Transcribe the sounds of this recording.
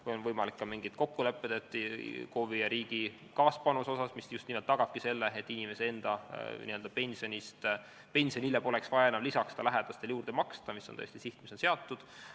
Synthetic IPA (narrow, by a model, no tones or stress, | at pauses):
kujo̞nvɤjmɑlikːɑmiŋɡ̥it̪ko̞kːule̞pːˑed̪et̪ːˑkoːvijɑɾiːɡ̥i | kɑːspɑnuso̞sɑsmisjust̪niːmelt̪ːɑɡ̥ɑb̥̚kise̞lːeet̪ːinʲime̞see̞nd̪̥ɑnḭø̞ld̪ɑpe̞nʲsio̞nʲist̪ | pe̞nʲsionilːebo̞le̞ksvɑjɑenɑmlisɑksed̪ɑlæɦed̪̥ɑst̪eljuːrd̪emɑkst̪ɑmisːont̪ɤ̰est̪isiht̪misonse̞ɑt̪ˑːud̪̥